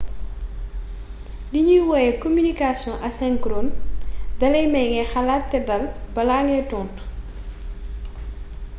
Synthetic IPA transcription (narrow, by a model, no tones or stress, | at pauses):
diɲujwɔjɛkomynikasjɔ̃ʔɐsɛŋkɾondɐlɛjmɛjŋɛxɐlaːtːɛdɐlbɐlaŋɛtɔnt